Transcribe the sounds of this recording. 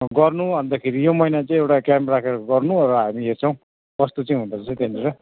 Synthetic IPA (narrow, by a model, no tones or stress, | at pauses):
ɡʌrnuɦʌnd̪akʰeɾijomʌinat͡sʌ̃j̃ewʈakjamprakʰeɾʌɡʌrnuɾʌɦamiɦert͡sʰʌw̃ | bʌst̪ot͡sʌĩɦund̪ʌt͡sʰʌt̪eneɾʌ